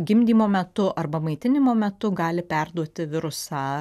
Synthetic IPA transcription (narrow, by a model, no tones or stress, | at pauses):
ɡʲɪmʲd̪ʲiːmoːmʲɛt̪ʊʔɐrbɐmɐɪt̪ʲɪnʲɪmoːmʲɛt̪ʊɡɑːlʲɪpʲɛrd̪uɔt̪ʲɪʋʲɪɾʊsɑː